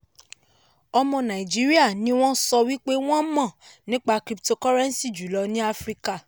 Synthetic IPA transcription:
ɔ˧mɔ̃˧nã˨i˨d͡ʒi˨˦ɾi˦a˦˨nĩ˨˦w̃ɔ̃˦sɔ˧wi˦k͡pe˦w̃ɔ̃˦mɔ̃˦˨nĩ˦k͡pa˧kɾi˧pto˧kɔ˦ɾɛ̃˦n˦si˦˨d͡ʒu˨˦lɔ˧nĩ˦a˦fɾi˦ka˦˨

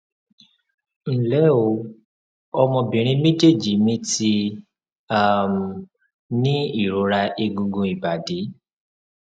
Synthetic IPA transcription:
n̩˨lɛ˨˦o˨˦ | ɔ˧mɔ̃˧bĩ˨ɾ̃ĩ˦mĩ˦d͡ʒe˦˨d͡ʒi˨˦mĩ˦ti˧ | a˦˨m | nĩ˦i˦˨ɾo˨˦ɾa˧ʔe˧ɡũ˧ɡũ˧i˨ba˨de˨˦

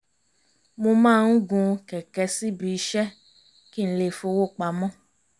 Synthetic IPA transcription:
mo˧mãː˦˧ñ̩˦ɡũ˧kɛ˨kɛ˧˦si˦˨bi˧˦˧ʃɛ˦ | ki˦n̩˦˧le˧fo˧wo˦˨k͡pa˧˦mɔ̃˦

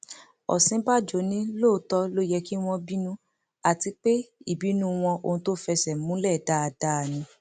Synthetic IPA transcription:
ɔ̰˨sĩ˨˦ba˦d͡ʒo˨˦nĩ˦loː˦˨˦tɔ˦lo˦jɛ˧ki˦w̃ɔ̃˧bi˦nũ˦ | a˨ti˧k͡pe˦i˦˨bi˨˦nũ˦˧w̃ɔ̃˧ʔo̰˧˨ũ˧to˦fɛ˧sɛ˨mũ˦lɛ˦˨da˦a˧da˦˨nĩ˧

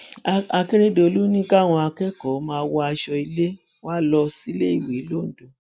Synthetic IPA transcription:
a˧ke˦ɾe˦do˦˧o˧lu˦nĩ˦ka˦˨w̃ɔ̃˧a˧kɛ˦kɔ˨˦mãː˧˦wɔ˦a˧ʃɔ˧i˧˦le˦ | wa˦lɔ˧si˦le˦i˦˨we˨˦lo˦n̩˨do˨˦

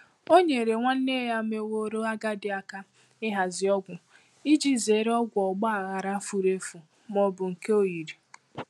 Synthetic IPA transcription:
o˦ɲe˨ɾe˨ŋʷa˦n̩˦ne˦ja˦me˦wo˦ɾo˦a˦ɡa˦dɪ˨˦a˦ka˦ | ɪ˦ɦa˨zɪ˨ɔ˦ɡʷʊ˨ | i˦d͡ʒi˦ze˨˦ɾe˦ɔ˦ɡʷɔ˨ɡ͡ba˦a˨ɣa˨ɾa˦fu˨ɾe˦fu˨ | mɔ˨bʊ˨ŋ̩˨ke˦o˨ji˨ɾi˨

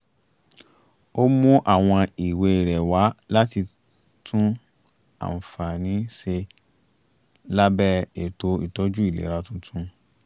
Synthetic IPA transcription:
o˦mũ˦ʔa˦˨w̃ɔ̃˧i˨we˧˨ɾɛ˨wa˨˦la˦ti˧ | tʰũ˦ | a̰˨fa˨nĩ˨˦ʃe˧ | la˦bɛ˦e˨to˧ḭ˨tɔ˨˦d͡ʒu˦i˦˨lḛ˨˦ɾa˧˦tũ˦tʰũ˦

